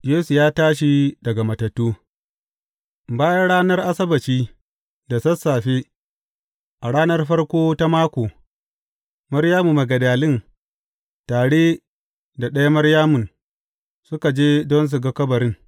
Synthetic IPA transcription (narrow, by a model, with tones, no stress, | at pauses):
jeː˦su˨jaː˦taː˦ʃi˦dɐ˨ɡa˨mɐ˨tɐ˨tːuː˦ | baː˦jɐ˦ɽaː˦nɐ˦rʔa˦sɐ˦bɐ˨t͡ʃiː˦ | da˨sɐ˦saː˨ɸeː˦ | ʔa˨ɽaː˦nɐ˦rɸɐ˦rkʷoː˦ta˦maː˦kʷoː˨ | mɐ˦ɾjaː˦mu˨mɐ˨ɡɐ˨daː˨lɪ˦˨n | taː˨ɽeː˦ | da˨ɗɐ˦ja˦mɐ˦rjaː˦mʊ˨n | sʊ˦ka˨d͡ʒeː˦dɔ˦ns̬ʊ˨ɡa˦kɐ˦bɐ˨ɾɪ˦n